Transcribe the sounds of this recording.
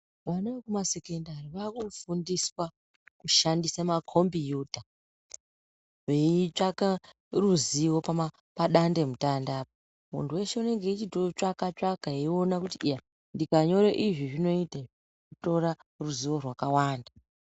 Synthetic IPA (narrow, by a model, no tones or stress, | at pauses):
ʋanaekumase̞kendariʋakufundiswa | kuʃandisamakʰo̞mbijuːta | ʋe̞iit͡ʂaka | ruziwo̞pama | paɗande̞mutandaːpo | mṵntʰuwe̞ʃeune̞ŋɡe̞it͡ʃitot͡ʂakat͡ʂakaiio̞nakutiija | ndikaɲo̞ɾeʔiʐiʐino̞ita | kuto̞ɾaruziwo̞rwakawaːnda